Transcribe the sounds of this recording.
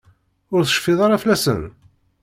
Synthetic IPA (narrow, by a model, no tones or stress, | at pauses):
ʊɾθə̥ʃfːɪðˤɑɾɑflæsə̰n